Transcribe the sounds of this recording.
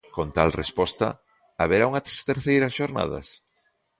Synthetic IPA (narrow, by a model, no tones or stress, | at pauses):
kont̪alrespɔst̪ɐ̰ | aβeɾauŋɐt̪st̪eɾθejɾɐsʃoɾna̰ðɐ̰s